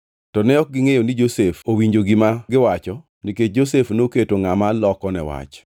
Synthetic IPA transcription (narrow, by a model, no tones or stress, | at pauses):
tɔnɛɔk̚ɡɪŋejonid͡ʒosefowiɲd͡ʒoɡɪmaɡɪwat͡ʃɔ | niket͡ʃ̚d͡ʒosefnoketoŋamalɔkɔnɛ̰wa̰t͡ʃ